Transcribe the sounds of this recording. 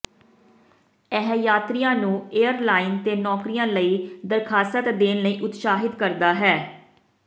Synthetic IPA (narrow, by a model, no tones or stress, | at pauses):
ɛɦjaːt̪ɾijãːnũːeːəɾlaːiːnt̪eːnɔːkɾijãːləiːd̪əɾkʰaːsət̪d̪eːnləiːʔʊt̪ʃaːɦɪd̪kəɾd̪aːɦɛː